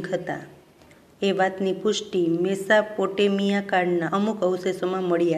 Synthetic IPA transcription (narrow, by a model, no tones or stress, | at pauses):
ɡʱət̪a̰ | eʋat̪nipʊʃʈimesapoʈemijakaɾɳnaʔəmukəwsesomãməɭja